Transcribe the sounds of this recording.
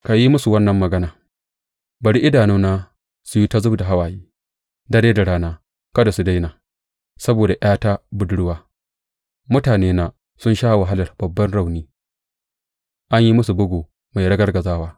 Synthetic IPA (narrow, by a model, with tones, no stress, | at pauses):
ka˨ji˦mʊ˦su˨wɐ˦nːɐ˨mːɐ˨ɡɐ˦naː˨ | bɐ˨ɽi˦ʔɪ˦daː˨nuː˦naː˦ | su˨ji˦ta˦zʊ˦bda˨ɦa˦waː˨jiː˦ | dɐ˦ɽeː˦da˨ɽaː˦naː˦ | kɐ˦da˨su˨da˦jnaː˨ | sɐ˦boː˨da˨ʔjaː˦ta˦bʊ˦dɽʊ˦waː˦ | mʊ˦taː˨neː˦na˦ | sʊ˦nʃaː˦˨wa˨ɦa˦lɐ˨rbɐ˨bːɐ˦nɽa˦˨wniː˦ | ʔa˦ɲji˦mʊ˦su˨bʊ˦ɡoː˨ | ma˨jɽɐ˦ɡɐ˦rɡɐ˨zaː˦waː˦